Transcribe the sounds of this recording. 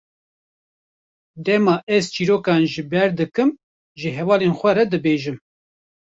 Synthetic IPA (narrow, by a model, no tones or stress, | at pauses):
d̪ɛmɑːʔɛzt͡ʃiːɾoːkɑːnʒɨbɛɾd̪ɨkɨm | ʒɨɦɛvɑːleːnxʷɛɾɛd̪ɨbeːʒɨm